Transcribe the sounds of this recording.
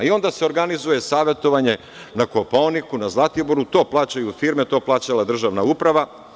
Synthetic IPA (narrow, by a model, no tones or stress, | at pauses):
io̞nd̪ase̞o̞ɾɡanizuje̞saːʋe̞t̪o̞ʋaɲe̞ | nakopoonikunazlˠat̪ijoboɾut̪o̞ːplˠaːt͡ɕajufiːɾmet̪o̞ːplˠaːt͡ɕalad̪r̩ʒaʋnaupɾaʋa